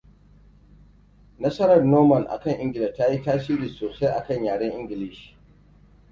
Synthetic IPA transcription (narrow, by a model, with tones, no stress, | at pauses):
nɐ˦sɐ˦ɾɐ˨rnoː˦mɐ˨nʔa̰˨kɐ˦˨ŋʔɪ˦ŋɡʲɪ˨lɛ˨ta˦ji˦taː˦siː˦ɾiː˨soː˨sa˦jʔa˨kɐ˦˨ɲjaː˨ɽɐ˦ŋʔɪ˦ŋɡʲɪ˨lɪ˦ʃi̥˨